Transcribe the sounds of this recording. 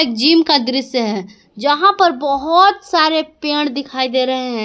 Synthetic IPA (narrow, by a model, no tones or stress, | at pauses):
eːk̚d͡ʒiːmkad̪ɪɾɪsjəɦɛ | d͡ʒɐɦãpɐɾbɐɦʊt̪saːɾepeːɽ̃d̪ɪkʰaːid̪eːɾɐɦeɦɛ̃ː